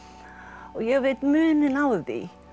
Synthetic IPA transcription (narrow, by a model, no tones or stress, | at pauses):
ɔɣjɛɣvejt̪mʏːnɪnawðḭ